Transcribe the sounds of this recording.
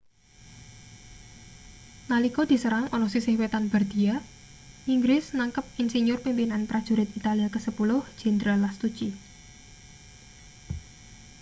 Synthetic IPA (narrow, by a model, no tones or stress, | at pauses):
nalikɔd̪̥i̤səɾaŋʔɔnɔsisɪhwet̪anb̥a̤rd̪̥i̤a | ʔiŋɡɾɪsnaŋkəp̚insiɲʊrpimpinanpɾad̥ʒ̥ṳɾɪt̪it̪aliakəsəpulʊhʒ̥ɛ̤nd̪ɾalast̪ut͡ʃi